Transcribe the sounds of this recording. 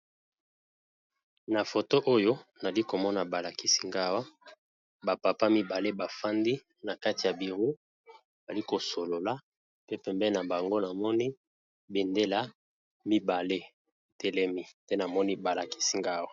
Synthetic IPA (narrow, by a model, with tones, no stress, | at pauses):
na˨fo˨to˦ʔo˦jo˦na˨li˦ko˨mɔ˦na˨ba˨la˨ki˦si˦ŋɡa˦wa˦ | ba˨pa˨pa˦mi˦ba˨le˦ba˨fa˦ndi˦ | na˨ka˦ti˨ja˨bi˨ʁu˦ | ba˨li˦ko˨so˨lo˨la˦ | pe˦pɛ˨mbɛ˦na˨ba˨ŋɡo˦na˨mɔ˦ni˦ | be˨nde˦la˦ | mi˦ba˨le˦˨ | tɛ˨lɛ˦mi˦tɛ˦na˨mɔ˦ni˦ba˨la˨ki̥˦si˦ŋɡa˦wa˦˨